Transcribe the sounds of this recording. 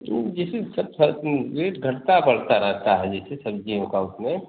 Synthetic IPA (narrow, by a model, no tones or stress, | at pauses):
id͡ʒɛsesəb̚səɾeɾɡʱəɽt̪abəɽ̤t̪aɾəɦt̪aɦɛd͡ʒɛːsesəbd͡ʒiõkaʊsme